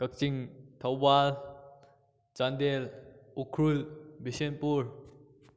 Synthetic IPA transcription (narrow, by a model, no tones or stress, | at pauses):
kək̚t͡ʃiŋt̪ʰawbal | t͡ʃandelukʰɾulbisenpuɾ